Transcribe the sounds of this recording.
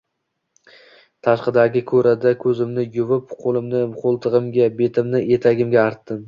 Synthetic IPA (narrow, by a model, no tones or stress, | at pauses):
t̪ʰaʃqɨd̪aɡʲɪkʰɵɾad̪akʰɵzɪmnɪjʊvɪpqʰolˠɪmnɪqʰolˠt̪ʰɨʁɨmɡʲabe̞t̪ʰɪmnɪe̞t̪ʰaɡʲɪmɡʲaːɾt̪ːɪm